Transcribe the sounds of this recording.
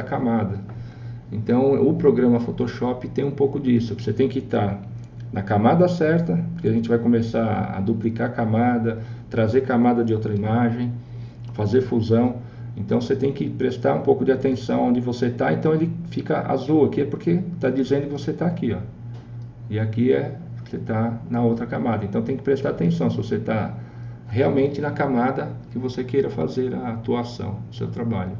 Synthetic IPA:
ɐkamad̪ɐ | ẽnt̪ɐ̃w̃ʊpɾoɡɾɐ̃mɐfot̪oʃɔpɪt̪ẽj̃ũpowkʊd͡ʒisʊoset̪ẽj̃kɪt̪aɾ | nʔɐkamad̪ɐsɛɾt̪ɐpoɾkeaʒẽnt͡ʃɪvajkomesaɾ̰a̰d̪uplikaɾkamad̪ɐt̪ɾazeɾkamad̪ɐd͡ʒɪowt̪ɾɐimaʒẽj̃ | fazeɾfuzɐ̃w̃ | ẽnt̪ɐ̃w̃set̪ẽj̃kɪpɾest̪aɾũpowkʊd͡ʒ̪ɪat̪ẽsɐ̃w̃õnd͡ʒɪvoset̪aẽnt̪ɐ̃w̃elɪfikɐʔa̰zuakiɛpoɾket̪ad͡ʒizẽnd̪ʊkɪvoset̪aakiɔ | ɪakiɛ̥set̪anɐowt̪ɾɐkamad̪ɐẽnt̪ɐ̃w̃t̪ẽj̃kɪ̥pɾest̪aɾat̪ẽsɐ̃w̃sɪvoset̪a | heawmẽnt͡ʃ̪ɪnɐkamad̪ɐkɪvosekejɾɐfa̰zeɾɐːt̪uasɐ̰̃w̃ʊsewt̪ɾabaʎʊ

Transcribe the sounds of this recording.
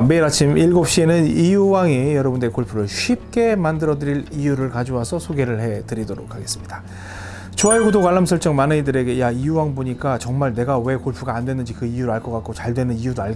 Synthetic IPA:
me̞iɾat͡ɕʰimiɭɡop̚ɕ͈ie̞nɯnijuwaŋijʌɾʌbundeikoɭpʰuɾɯɭɕɥip̚k͈e̞mandɯɾʌdɯɾiɾijuɾɯɭkad͡ʑowasʰʌsʰoɡe̞ɾɯɭhe̞tɯɾidoɾokʰaɡe̞s͈ɯmɲida | t͡ɕoajeɡudokwaɭːamsʰʌɭt͡ɕ͈ʌŋmanɯnidɯɾe̞ɡe̞jaijuwaŋboɲik͈at͡ɕʌŋmaɭne̞ɡawe̞koɭpʰuɡaːndwe̞nːdɯnd͡ʑikɯijuɾɯɭaɭk͈ʌk͈ak͈ot͡ɕaɭdwe̞nɯnijudoa

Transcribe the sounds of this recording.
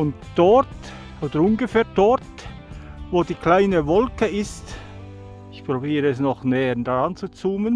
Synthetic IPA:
ʊntd̥ɔt | ʔoːd̥əɾʊnɡəfɛːɐt̚d̥ɔɾt | voːdiːkl̥aɪnəvɔlkəɪst | ɪçpʁ̥obiːɾəɛs̬nɔχnɛːənd̥aʁant͡sut͡suːmən

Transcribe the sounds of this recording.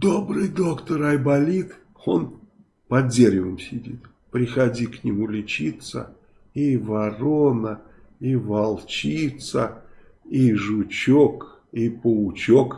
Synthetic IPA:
d̪o̞bɾɨjd̪o̞kt̪əɾɐjbɐlʲit̪ | on | pɐdzʲeɾʲɪvəmsʲɪdʲḭt̪ | pɾʲɪxɐdʲiknʲɪmulʲɪt͡ɕit̪sə̰ | ivɐronə | ivɐlˠt͡ɕit̪sə | iʐʊt͡ɕok | ipəʊt͡ɕok

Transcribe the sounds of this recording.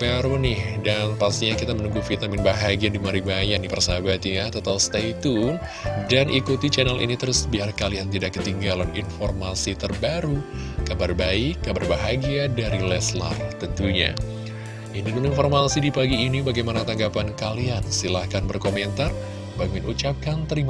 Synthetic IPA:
baɾunɪhdanpast̪iɲakit̪amənuŋɡufit̪amɪnbaɦaɡiandimaɾibajanipərsabat̪ijat̪ət̪awst̪ait̪u | danʔikut̪it͡ʃɛnalḭnit̪əɾʊsbiarkaliant̪idaʔkːət̪iŋɡalanḭnformasit̪ərbaɾu | kabarbaikːabarbaɦaɡiadaɾilɛsla̰rt̪ənt̪uɲa̰ | ʔininuninfɔrmasidipaɡiːnibaɡajmanat̪aŋɡapankaliansilahkanbərkomɛnt̪ar | baŋɪnʔṵt͡ʃap̚kant̪əɾima

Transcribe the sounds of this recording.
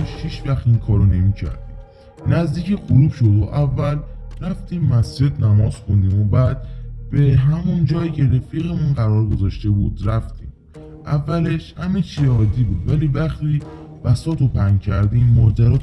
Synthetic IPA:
eʃhiʃvæxt̪inkʰɒːɾone̞miːcʰæ̰ɾd̪i | næzd̪iːcʰexuɾuːbʃo̞d̪oʔævːælɾæft̪iːmːæsd͡ʒe̞d̪næmɒːz̥xond̪iːmobæːd̪̚b̥e̞ɦæmund͡ʒɒːjicʰe̞ɾefiːɣemunɢæɾɒːɾɡo̞zɒːʃt̪e̞buːd̪ɾæft̪ʰiːm | ʔævːæle̞ʃhæmet͡ʃʰiɒːd̪ibuːd̪væliːvæxt̪iː | væsɒːt̪ʰopʰæŋcʰæɾd̪immɒːd͡ʒæɾɒːt̪

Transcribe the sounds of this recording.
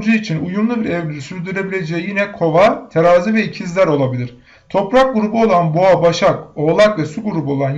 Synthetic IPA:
d͡ʒɯit͡ʃʰinujumlˠubiɾɛvlʲyɾsyɾd̪yɾe̞bilʲe̞d͡ʒɛjijinɛkʰo̞vaɾt̪ʰeɾaːzivɛicʰizlʲæɾo̞lˠabilʲiɾ̥ | t̪ʰo̞pɾak̚ɡuɾubuolˠanboabaʃako̞ːlˠakvɛsuɡuɾubuo̞lˠan

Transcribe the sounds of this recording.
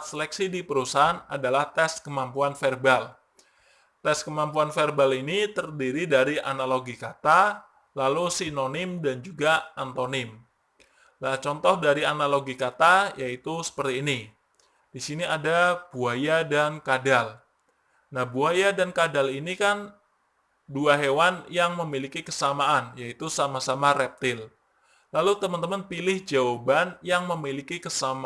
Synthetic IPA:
t̪səlɛksidipəɾusaɦanadalaht̪ɛskəmampuanfɛrbal | t̪ɛskəmampuanfɛrbalinit̪ərdiɾidaɾia̰naloɡikat̪a | lalusinonɪmdand͡ʒuɡaant̪onɪm | lat͡ʃɔnt̪ɔhdaɾianaloɡikat̪ajait̪usə̥pərt̪iːni | disiniadab̥uajadankadal | nahbuajadankadalinikan | duaɦewanjaŋməmilikikə̥samaʔanjait̪usamasamarɛp̚t̪ɪl | lalut̪əmənt̪əmənpilɪhd͡ʒaobanjaŋməmilikikəsama

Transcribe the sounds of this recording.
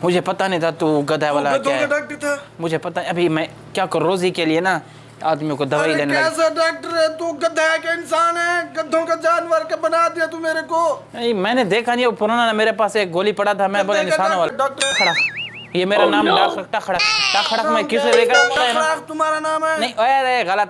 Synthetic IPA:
mʊd͡ʒʱepɐt̪anĩĩt̪ʰaːt̪uːɡəd̪ʱaʋalad̪ʱaaːk̚ʈɾt̪ʰamʊd͡ʒʱeːpɐt̪aɐbʱimɛ̃ː | kjaːkəɾːɾoːziːkelɪenaː | aːd̪mijõkod̪ɐʋaːileːnelɡseɖaːk̚ʈəɾɛt̪uːɡəd̪ʱakeɪnsaːnɦɛːɡəd̪ʱõked͡ʒaːnʋəɾkebənaːd̪ɪjat̪umeːɾekoːnĩmɛ̃ːned̪eːkʰanĩpʊɾaːnanameːɾepaːseːk̚ɡoːlipɐɽat̪ʰamɛ̃boːlanɪsaːñʋaːlːk̚ʈːxʰɽaːk | jeːmeːɾanaːmɖaːkʰɾəkʰʈaːxʰɐɽakʈaxʰɐɽamɛ̃kɪseɾeːkapt̪aɦɛnat̪ʊmaːɾanaːmɛːnɐĩʔoeɾeɣələt̪

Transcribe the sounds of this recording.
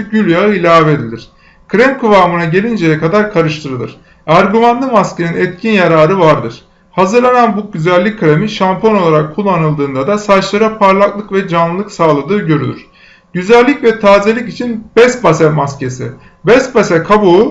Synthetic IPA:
ɟylʲjaɯilʲaːved̪ilʲiɾ̥ | kʰɾɛmkʰuvaːmɯnaɟe̞lʲind͡ʒejɛkad̪aɾkʰaɾɯʃt̪ʰɯɾɯlˠɯ̰ɾ̥ | æɾɡymand̪ˠɯmascʰe̞ninɛt̪cʰinjaɾaːɾɯvaɾd̪ɯɾ̥ | hazɯɾlˠananbuɟyzælʲːic̚kʰːɾemiʃampʰono̞lˠaɾakʰːulˠːanɯlˠd̪ɯːnd̪ad̪asat͡ʃlˠaɾapʰaɾlˠaklˠɯkvɛd͡ʒanlˠɯlˠɯksaːlˠad̪ɯːɟø̞ɾylʲyɾ̥ | ɟ̥yzælʲːicvɛt̪ʰaːzelʲicit͡ʃʰinbɛst̪basɛmascʰe̞si | bɛsbasɛkʰabu

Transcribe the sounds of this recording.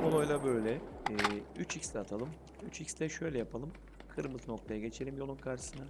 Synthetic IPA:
kolˠojlˠabø̞jlʲɛɛːyt͡ʃʰicslʲɛːt̪ʰalˠɯm | yt͡ʃicslʲɛʃø̞jlʲɛjapʰalˠɯm | kʰɯɾmɯzno̞k̚t̪ʰajaɟe̞t͡ʃʰe̞lʲimjo̞lˠunkʰaɾʃɯ̥sɯna

